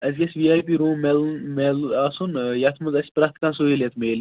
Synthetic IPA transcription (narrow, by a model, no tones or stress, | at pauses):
ɐzʲɡʲɐsʲʋiaːjpiɾũːmelnmelaːsunjɐt̪ʰmɐzɐsʲpɾɐht̪ʰkãnsoeljɐt̪ʰmeːl